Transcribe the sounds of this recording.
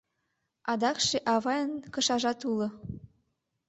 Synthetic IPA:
ɑd̪ɑkʃeʔɑβɑjənkɤ̆ʃɑʒɑt̪ulɤ̆

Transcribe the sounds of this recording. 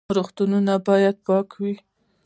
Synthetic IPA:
ɾoxt̪ununabɑjad̪̚pɑkwi

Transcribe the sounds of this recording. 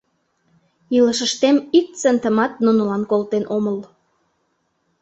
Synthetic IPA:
iləʃəʃt̪emik̚t͡sənt̪əmɑt̪̚nunə̆lɑnkolt̪enʔoməl

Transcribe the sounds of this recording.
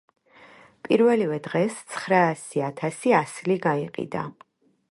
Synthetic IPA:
pʼiɾvɛlivɛd̪ʁɛst̪sʰχɾaːsiat̪ʰasiasliɡaiqʼḭd̪a̰

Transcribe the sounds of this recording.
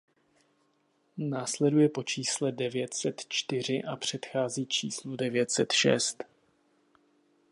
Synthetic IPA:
naːslɛdujɛpo̞t͡ʃiːslɛdɛvjɛt̪sɛt̪t͡ʃt̪ɪr̝ɪʔapr̝̥ɛt̪xaːziːt͡ʃḭːsludɛvɪjɛt̪sɛt̪ʃɛ̰st̪

